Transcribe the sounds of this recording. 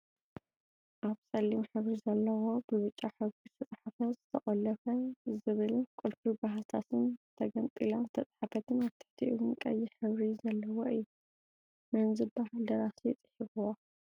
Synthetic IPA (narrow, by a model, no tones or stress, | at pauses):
ʔaβsʼɐlːimħɨβɾizɐlːɐwo̞bɨβɨt͡ʃʼːaħɨβɾizt̪ʰɐt͡sʼħafɐzɨt̪ʰɐχʼɐlɐfɐzɨβɨlkʼʊlfubaɦat̪ʰasɨnt̪ʰɐɡɐnt̪ʼilant̪ʰɐt͡sʼħafɐt̪ʰɨnaβt̪ʰɨ̥ħt̪ʰiʔɨwnkʼɐ̰jːɪħɨβɾizɐlːɐwoɨjːu | mɐnzɨbbahald̪ɐɾasiɛt͡s̪ʼɨ̥ħibuwo